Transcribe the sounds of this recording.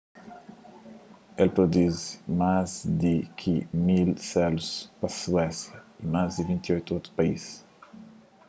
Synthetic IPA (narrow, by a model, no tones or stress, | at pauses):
elpɾod̪uzmazd̪ɪkʰɪmilsɛluspɐsuɛsjɐimazd̪ivĩnt̪iojt̪uot̪ɾu̥pɐis